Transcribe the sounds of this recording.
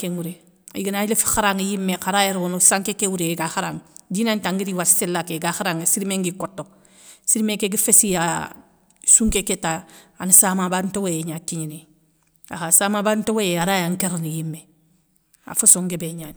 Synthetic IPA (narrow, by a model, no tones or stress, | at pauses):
keŋuɾe | ḭɡinalefi̥xaɾaŋijimːekaɾajeɾonosaŋkekewuɾeɡaxaɾaŋd͡ʒinantaŋɡiɾiwassilːakeɡaxaɾaŋesiɾimeŋɡikotːo | siɾimekeɡifesija | suŋkeketaanisamabadtowejeɲatiɲine | a̰hasamabadntowejeaɾajaŋkeɾnijimːe | a̰fusoŋɡebeɲan